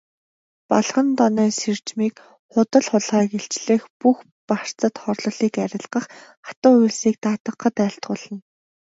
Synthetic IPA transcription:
paɮχə̆nt̪ɔnœːsert͡ɕmiːk | χʊt̪ə̆ɮχʊɮʁaːkeɬt͡ɕɮɘ̆ːxpux | par̥t͡sə̆t̪χɔrɮɞ̆ɮiːkæɾʲɪ̆ɮɢə̆χ | ḁt̪ʊːuɮsiːk̚t̪aːt̪ə̆qːə̆t̪æːɬt̪ɢʊːɮə̆n

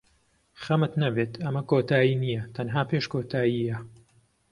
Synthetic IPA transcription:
χɐmɨt̪nɐbeːt̪ʰɐmɐkoːt̪ʰaːjiːnijɐt̪ʰɐnɦaːpeːʃkoːt̪ʰaːjijɐ

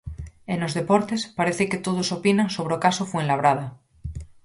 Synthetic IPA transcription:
eno̞zðe̞poɾt̪espaɾeθeket̪oð̞osopinãŋsoβɾeokasofwenlaβ̞ɾaða

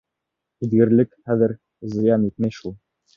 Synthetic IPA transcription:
iðɡɘ̆ɾlɘkχæðɘ̆ɾ | zɪ̆jɑnit̪̚mæjʃulˠ

